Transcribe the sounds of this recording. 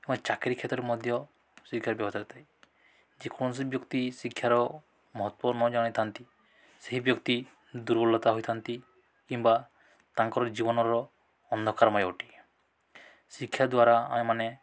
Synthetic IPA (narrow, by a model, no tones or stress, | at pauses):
emat͡ʃakeɾikʰet̪ɔɾemɔd̪ʱjɔ | sikʰjaɾbjɔbɔsaɾit̪ʰaj | d͡ʒekʰɔñɔs̬ibjɔkt̪isikʰjaɾɔ | mɔɦɔt̪wɔnɔd͡ʒaɽ̃it̪ʰant̪i | seɦibjɔkt̪i | d̪uɾbɔlːɔt̪aɦojt̪ʰant̪i | kimba | t̪aŋkɔɾɔd͡ʒibɔnɔɾɔː | nd̪ʱɔkaɾɔmajawʈi̥ | sikʰːjad̪waɾaa̰ẽmane